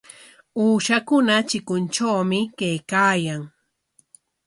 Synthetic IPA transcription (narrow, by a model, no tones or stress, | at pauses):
uːʃakʊnat͡ʃɪkʊnt͡ʃawmɪkajkaːjaŋ